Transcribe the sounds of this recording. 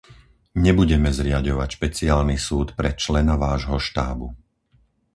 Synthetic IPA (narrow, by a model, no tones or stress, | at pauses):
ɲɛbuɟɛmɛzɾɪaɟɔʋacʃpɛt͡siaːlnisuːt̪pɾɛt͡ʃlɛnaʋaːʒɦɔʃt̪aːbu